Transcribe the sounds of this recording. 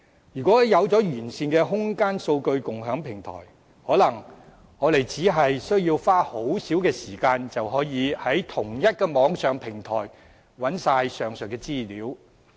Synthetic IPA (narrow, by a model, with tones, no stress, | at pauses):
jyː˨˩kʷɔː˨˥jɐ˨˧wt͡sɔː˨˥jyː˨˩nsiː˧nkɛː˧ɦʊ˥ŋkaː˥nso˧wkɵ˧ɥkʊ˨ŋɦœː˨˥ŋpʰɪ˨˩ŋt̪ʰɔ̰ː˨˩j | hɔː˨˥lɐ˨˩ŋ | ŋɔː˨˧le˨jt͡siː˨˥ɦɐ˨jsɵ˥ɥjiː˧wfaː˥ho˨˥wsiː˨˥wkɛː˧siː˨˩kaː˧nt͡sɐ˨wɦɔː˨˥jiː˨˧hɐ˨˥jt̪ʰʊ˨˩ŋjɐ˥t̚kɛː˧mɔː˨˥ŋsœː˨ŋpʰɪ˨˩ŋt̪ʰɔ̰ː˨˩j | wɐ˨˥nsaː˧jsœː˨ŋsœ˨˩kːɛː˧t͡siː˥liː˨˥w